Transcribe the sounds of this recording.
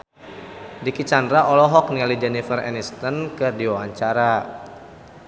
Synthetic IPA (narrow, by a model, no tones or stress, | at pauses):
dikit͡ʃandɾaʔɔlɔɦɔk̚nialid͡ʒɛnifərɛ̰nist̪ənkədiwawaɲt͡ʃaɾa